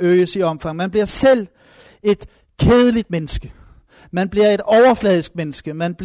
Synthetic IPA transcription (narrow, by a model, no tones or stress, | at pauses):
øːəsiɒ̽mfɑ̈ŋmænb̥liɐsel̰ | e̝d̥ | kʰeːð̞ˠəlid̥̚menəsɡ̥ə | mænb̥liɐe̝d̥ɒʊɐflɛːð̞ˠisɡ̥̚menəsɡ̥əmænb̥l